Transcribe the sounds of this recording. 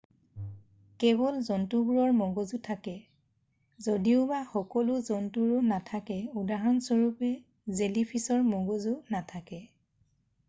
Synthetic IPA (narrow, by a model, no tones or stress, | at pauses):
kɛbɔlzɔntubuɹɔɹmɔɡɔzutʰakɛ | zodiʊbaxɔkɔlʊzɔntuɹʊnatʰakɛudaɦɔnsɔɹupɛ | zelipʰisɔɹmɔɡɔzunatʰakɛ